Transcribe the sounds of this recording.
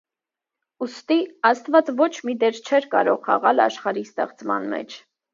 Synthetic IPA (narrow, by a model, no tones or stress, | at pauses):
ust̪iɑst̪vɑt͡svɔt͡ʃʰmid̪ɛɾt͡ʃʰɛɾkɑ̰ɾɔʁχɑ̰ʁɑlɑ̰ʃχɑɾist̪ɛχt͡smɑ̰nmɛ̰t͡ʃʰ